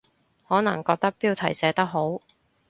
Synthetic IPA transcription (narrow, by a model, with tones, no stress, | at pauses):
hɔː˨˥nɐ˨˩ŋkɔː˧k̚t̪ɐ˥k̚piː˥wt̪ʰɐ˨˩jsɛː˨˥t̪ɐ˥k̚ɦo˨˥w